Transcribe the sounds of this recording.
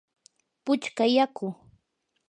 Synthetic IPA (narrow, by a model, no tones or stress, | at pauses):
pʊt͡ʃkajakʊ